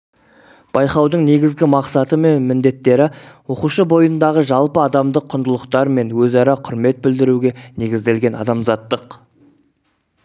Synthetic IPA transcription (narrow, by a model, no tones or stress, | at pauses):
b̥ɑjqɑwd̪əɴne̞ɡʲɪzɡʲɪmɑqsɑt̪əme̞nmɪnd̪e̞t̪ːe̞ɾɪwo̞quʃəbo̞jənd̪ɑʁəʒɑlˠpəɑd̪ɑmd̪əqʰːʊnd̪əlˠəqt̪ɑɾme̞nwɵzɑɾɑqʰʊɾme̞t̪̚bɪld̪ɪɾuɡʲe̞ne̞ɡʲɪzd̪e̞lɡʲe̞nɑ̰d̪ɑmzɑt̪ːəq